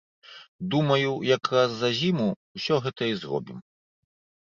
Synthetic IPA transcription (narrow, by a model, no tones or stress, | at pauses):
d̪umɐjujɐkɾasːɐʑʲimuwsʲɔɣɛt̪ɐizrɔ̰bʲḭm